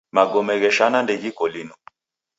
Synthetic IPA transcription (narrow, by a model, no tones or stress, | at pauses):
maɡɔmɛɣɛʃanandɛɣikɔlinɔ